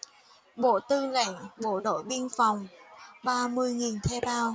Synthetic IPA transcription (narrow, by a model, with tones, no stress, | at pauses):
ɓo̰˧˨t̪ɨ˧la̰˧˨ŋɓo̰˧˨ɗo̰˧˨jɓi˧ənfa˨˩wŋ͡mɓaː˧mɨ˧əjŋi˨˩nt̪ʰɛ˧ɓaː˧w